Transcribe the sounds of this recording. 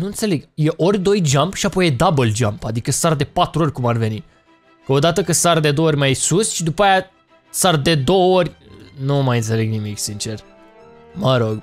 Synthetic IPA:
nuɨnt̪se̞le̞ɡjeʔorʲd̪o̞jd͡ʒambʃiapo̞jed̪abəld͡ʒampad̪ikəsaɾd̪e̞pat̪ɾuo̞rʲkumarve̞ni | kəo̞d̪at̪əkəsaɾd̪e̞d̪oooɾʲmajesusʃid̪upaja | saɾd̪e̞d̪o̞wəo̞rʲnumajɨnt̪sele̞ɡnimiksint͡ʃe̞r | məɾo̞ɡ

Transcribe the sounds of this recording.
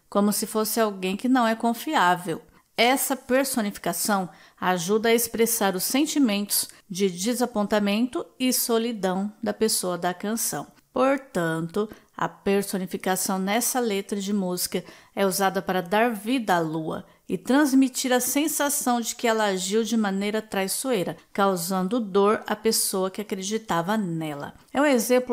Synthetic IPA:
kõmʊsɪfosɪawɡẽj̃kɪnɐ̃w̃ɛkõfiavew | ɛsɐpeɾsonifi̥kasɐ̃w̃ | aʒud̪ɐɐespɾesaɾʊsːẽnt͡ʃimẽnt̪ʊ̥z̥d͡ʒɪd͡ʒɪzapõnt̪amẽnt̪ʊɪsolid̪ɐ̃w̃d̪ɐpesoɐd̪ɐkɐ̃sɐ̰̃w̃ | poɾt̪ɐ̃nt̪ʊ | ɐ̰peɾsonifikasɐ̃w̃nɛsɐlet̪ɾɐd͡ʒɪmuzi̥kɐɛuzad̪ɐpaɾɐd̪aɾvid̪ɐaluɐ̰ | ɪt̪ɾɐ̃zmit͡ʃiɾɐsẽsasɐ̃w̃d͡ʒɪkɪɛlɐaʒiwd͡ʒɪmɐ̃nejɾɐt̪ɾajssuejɾɐkawzɐ̃nd̪ʊd̪oɾɐ̰pesoɐkɪakɾed͡ʒit̪avɐnɛlɐ̰ɛũezẽmplʊ

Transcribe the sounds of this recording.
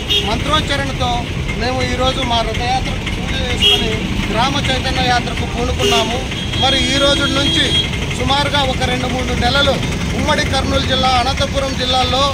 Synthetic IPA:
mɐnt̪ɾoːt͡ʃɐɾɐɳit̪o̞ː | me̞ːmuiːɾo̞ːd͡ʒumaːɾɐd̪ɐjaːt̪ɾɐkupuːd̪id͡ʒeːsukoni | ɡɾaːmɐt͡ʃɐjt̪ɐnːɐjaːt̪ɾɐkukuːɽukunːaːmu | mɐɾiiːɾo̞ːd͡ʒunːuɲt͡ʃi | sumaːɾuɡaːɔkɐɾe̞ɳɖumuːɳunɛlɐlu | umːɐɽikɐɾɳuːld͡ʒilːaːɐnɐt̪ɐpuɾɐmd͡ʒilːaːlo̞ː

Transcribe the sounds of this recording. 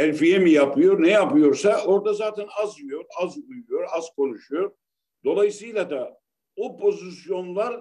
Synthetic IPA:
ɛlʲfijemijapʰɯjo̞ɾnɛjapɯjo̞ɾsaʔo̞ɾd̪azaːt̪ʰɛnazmyjo̞ɾazujujo̞ɾaz̥kʰo̞nuʃujo̞ɾ | d̪̥o̞lˠajisɯjlˠad̪a | opʰo̞zisjo̞nlˠaɾ

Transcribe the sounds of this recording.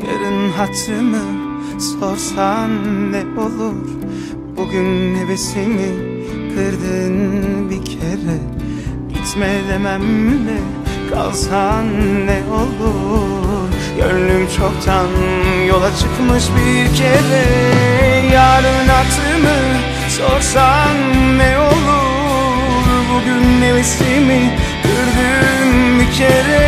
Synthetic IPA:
ja̰ɾɯnɦat̪ʰɾɯmɯ | so̞ɾsanːɛo̞lˠuɾ̥ | b̥uɟynhe̞vesimi | kʰɯɾd̪ɯnbicʰeɾɛ | ɟit̪mɛlemæmlɛ | ɡ̥ʰa̰lˠsanːɛo̞lˠu | ɾ | jø̰nlymt͡ʃʰo̞kt̪ʰanjo̞lˠat͡ʃʰɯkmɯʃbiɾcʰeɾɛ | jaːɾɯnak̪ˠɯmɯ | so̞ɾsanːɛo̞lˠu | ɾbuɟynːe̞vislimiɟ̥øɾd̪ymbicʰeɾɛ

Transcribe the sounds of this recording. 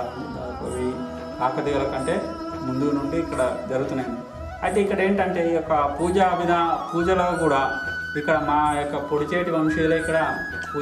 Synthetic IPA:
oɾi | aːkɐt̪iɡɐlɐkɐɳʈe̞ː | mund̪unuɳɖiːkːɐɽɐd͡ʒɐɾɡut̪unːɐːni | ɐjt̪e̞ːikːɐɽe̞ːɳʈɐɳʈe̞ːjɔkːɐpuːd͡ʒɐʋinɐpuːd͡ʒɐloːkuːɽaː | ikːɐɽɐmaːjɔkːɐpoɽit͡ʃeːʈiʋɐmʂɐjloːikːɐɽɐ | pː

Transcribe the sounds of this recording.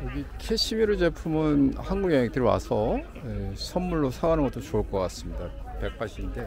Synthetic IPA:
jʌɡikʰeɕʰimiɾɯt͡ɕe̞pʰumɯnhanɡuɡjaŋek̚t͈ɯɾiwa̰sʰʌ | esʰʌnːuɭːosʰaɡanɯnŋɡʌt͈ot͡ɕoːɭk͈ʌk͈as͈ɯmɲidape̞k̚p͈aɕʰinde̞

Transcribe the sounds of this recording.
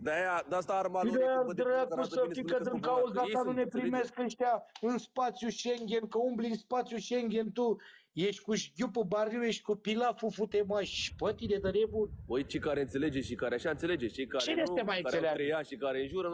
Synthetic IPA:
d̪ajad̪st̪aːɾmad̪ɾəjakusəfikəd̪ɨŋkaozd̪at̪anune̞pɾime̞skəʃt̪ʲaɨnspat̪sjuʃeŋɡʲe̞nkəumblinspat̪sjuʃeŋɡʲent̪ujeʃʲkuʃɡʲupɨbaɾiwjeʃt̪̚ʲkupilafufut̪emaʃpət̪id̪ed̪əɾebuojt͡ʃekaɾeɨnt̪seled͡ʒeʃikaɾeaʃaɨnt̪seled͡ʒet͡ʃekat͡ʃejest̪emajɨnseleaaʃikaɾeɨnʒuɾə

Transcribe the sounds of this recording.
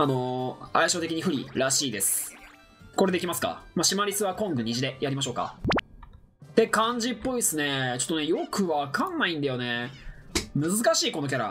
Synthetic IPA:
ano̞aiɕot̪e̞kʲiɲ̟iɸɯ̟ɾʲḭɾaɕiːd̪e̞sɨ̥ | ko̞ɾe̞d̪eikʲimasɨ̥ka̰maɕimaɾʲisɨβakõ̞ŋɡɯ̟ɲ̟iʑid̪e̞jaɾʲimaɕo̞ːka̰ | t̪e̞kãɲ̟d͡ʑipːo̞isɨne̞t͡ɕo̞t̪ːonejokʰɯ̟βakãnːaĩnd̪ajo̞ne̞ | mɯ̟zɨkaɕiːko̞no̞k̬ʲaɾa̰

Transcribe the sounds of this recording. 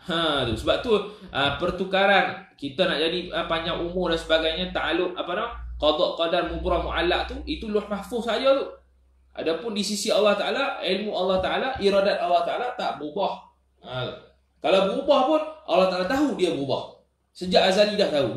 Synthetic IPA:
ə̃t̪usəbap̚t̪uʔəpərt̪ukaɾankit̪anaʔd͡ʒadiəpaɲd͡ʒaŋʔumʊrdansəbaɡajɲat̪aʔalʊp̚apanamaqɑd̪ˤɔʔqɔdarmubɾɔmuʔalːaʔ̚t̪uit̪ulʊhmahfʊhsajɔt̪u | ʔa̰dapʊndisisiɑlːɑht̪aʔalaɪlmuɑlːɑht̪aʔalaʔiɾɔdat̪̚ɑlːɑht̪aʔalat̪aʔbubɔh | ə̃t̪ | kalawbubɔhpʊnʔɑ̰lːɑht̪aʔalat̪aɦudiabubɔ̰h | səd͡ʒaʔazalidaht̪au

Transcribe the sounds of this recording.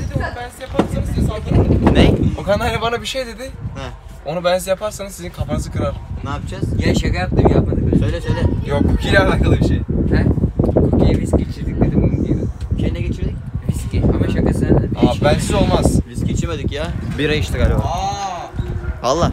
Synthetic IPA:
d̪ed̪ionubænsijapʰaɾsanɯzsizalt̪anannɛokanhanibanabiʃejd̪e̞d̪ɪhɛ | o̞nubænsijapʰaɾsanɯzsizinkʰapanɯzɯkʰɯɾaɾ̥naːpɯd͡ʒaz̥jeɛʃakajap̚d̪ɯmjap̚mad̪ɯksøjlʲɛsøjlʲɛjokbilɛɾhakʰːalˠɯbiʃejhɛuɾkʰijɛbiscit͡ʃʰiɾd̪ic̚d̪ed̪imbununijed̪ɪʃejnɛɡet͡ʃʰiɾd̪ic̚viscʲʰihamɛʃakasɯd̪abænsizo̞lˠmaz̥ɾiscʲit͡ʃʰimed̪ɯcjabiɾajɯʃt̪ʰɯkalʲooa | valˠːaː

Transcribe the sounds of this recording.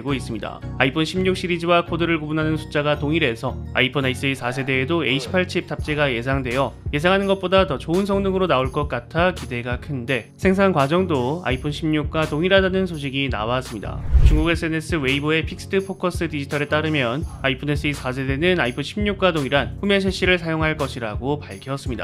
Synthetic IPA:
eɡois͈ɯmɲida̰aipʰonɕʰimɲuk̚ɕ͈iɾid͡ʑiwakʰodɯɾɯɭɡobunɦanɯnsʰu̥t͡ɕ͈aɡatoŋiɾe̞sʰʌa̰ipʰʌnais͈ɯisʰas̬ʰe̞de̞ːdoe̞iɕʰi̥pʰːaɭt͡ɕʰip̚t͈ʰap̚t͡ɕ͈e̞ɡaje̞sʰaŋdwe̞joje̞s̬ʰaŋɦanɯnɡʌp͈odatʌt͡ɕoɯnsʰʌŋnɯŋɯɾonaoɭk͈ʌk̚k͈atʰakide̞ɡakʰɯnde̞sʰe̞ŋs̬ʰaŋkwad͡ʑʌŋdoa̰ipʰonɕʰimɲuk̚k͈watoŋiɾadanɯnsʰoɕ̬ʰiɡina̰was͈ɯmɲida̰t͡ɕuŋɡuɡes͈ɯene̞s͈ɯwe̞iboe̞pʰik̚s͈ɯ̥tʰɯpʰokʰʌs͈ɯdid͡ʑitʰʌɾe̞t͈aɾɯmjʌnaipʰone̞s͈ʰɯisʰasʰe̞de̞nɯnaipʰonɕʰimɲuk̚k͈wadoŋiɾanɸumjʌns̬ʰeɕ͈ʰiɾɯɭsʰajoŋɦaɭk͈ʌɕʰiɾaɡopaɭkʰjʌs͈ɯmɲida̰

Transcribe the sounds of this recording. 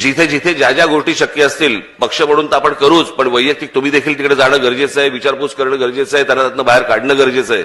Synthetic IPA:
d͡ʑit̪ʰed͡ʑit̪ʰed͡ʑad͡ʑaɡoʂʈiːɕəkjəəst̪iːlpəkʂəməɽ̃uːnt̪aapəɳkəɾuːt͡spəɳʋəjjək̚t̪ik̚t̪um̤iːd̪ekʰiːlt̪ikɽed͡zaɽ̃əɡəɾd͡ʑet͡səɦeʋit͡ɕaɾput͡skəɾɳəːɡəɾd͡ʑet͡səɦet̪janːat̪at̪nəbaɦeɾkaɽɳəɡəɾd͡ʑet͡səḛ

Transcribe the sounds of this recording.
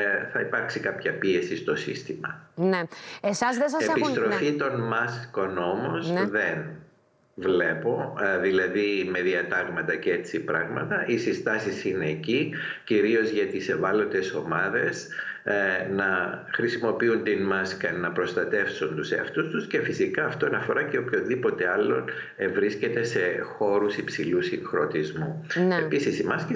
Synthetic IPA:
θɐipɐɾksikɐpçɐpie̞sist̪o̞sḭst̪imɐ̰neesɐzðesɐsepist̪ɾo̞fit̪o̞nmɐsko̞no̞mo̞zðe̞n | vle̞po̞ðilɐðime̞ðiɐt̪ɐɣmɐt̪ɐce̞t͡sipɾɐɣmɐt̪ɐʔisist̪ɐsisine̞ːciciɾio̞zʝɐt̪ise̞vɐlo̞t̪e̞so̞mɐðe̞s | nɐxɾisimo̞piunt̪inmɐskɐnːɐpɾo̞st̪ɐt̪e̞fsund̪useɐ̰ft̪ust̪usce̞fisikɐːft̪oɐnɐfo̞ɾɐceopço̞nðipo̞t̪e̞ɐlːo̞n | evɾisce̞t̪e̞se̞xo̞ɾusipsilusiŋxɾo̞t̪izmunepisisimɐski

